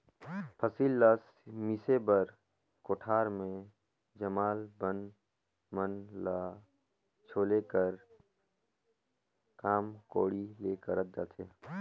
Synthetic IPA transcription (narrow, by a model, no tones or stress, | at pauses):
pʰəsiːlːaːs | misebəɾ | koːʈʰaːɾmẽ | d͡ʒəmaːlbən | mənla | t͡ʃʰoːlekəɾ | kaːmkoːɽileːkəɾət̪̚d͡ʒa̰ːt̪ʰeː